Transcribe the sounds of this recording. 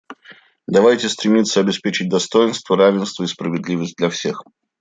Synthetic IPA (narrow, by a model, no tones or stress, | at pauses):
d̪ɐvajtʲɪst̪ɾʲɪmʲit̪sːəɐbʲɪspʲet͡ɕɪt̚ʲd̪ɐst̪ojɪnst̪vəɾavʲɪnst̪vəispɾəvʲɪd̪lʲivəsʲt̚ʲd̪ʲlʲɐfsʲe̞x